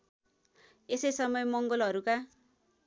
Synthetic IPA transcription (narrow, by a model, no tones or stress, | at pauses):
esʌjsʌmʌjemʌŋɡʌlɦʌɾuka